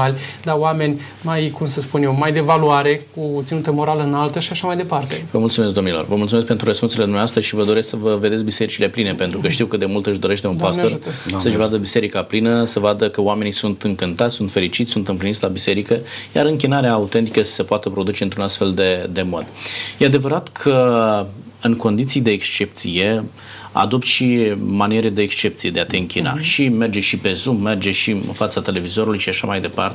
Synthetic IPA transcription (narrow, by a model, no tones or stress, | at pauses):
alʲd̪aoame̞nʲ | majkumsəspunjewmajd̪evaluaɾe̞kut̪sinut̪əmo̞ɾaləɨnalt̪əʃiaʃamajd̪e̞part̪e̞vəmult̪sumesk̚d̪o̞mnilo̞̰rvəmult̪sumeskpent̪ɾuɾrəspunsele̞d̪umneaast̪əʃivəd̪o̞ɾesksəvəve̞d̪e̞t̪skbise̞ɾit͡ʃile̞pline̞pent̪ɾukəʃt̪iwkɨt̪d̪e̞mult̪ɨʃd̪o̞ɾe̞ʃt̪eunpaso̞ɾsəɨʃvad̪əbiseɾikaplinəsəvad̪əkəoame̞nisunt̪ɨŋkɨnt̪at̪sʲsunt̪fe̞ɾit͡ʃit̪sʲsunt̪ɨmplinit̪ʲlabise̞ɾikəja̰ɾɨŋkʲinaɾeaːut̪e̞nt̪ikəsə̥se̞poat̪əpɾo̞d̪ut͡ʃe̞ɨnt̪ɾunast̪fe̞ld̪e̞d̪e̞mo̞̰d̪jead̪e̞vəɾat̪kʰə | ɨŋko̞nd̪it̪sijd̪e̞ːkst͡ʃe̞pt̪sije̞ | a̰d̪o̞p̚t̪ʃimanieɾed̪e̞ːkst͡ʃe̞p̪̚sije̞d̪e̞at̪e̞ɨŋkʲina̰ʃime̞rd͡ʒe̞ʃipe̞zumːe̞rd͡ʒe̞ʃiɨ̰nfat̪sat̪e̞le̞vizo̞ɾulujʃiaʃamajd̪e̞part̪e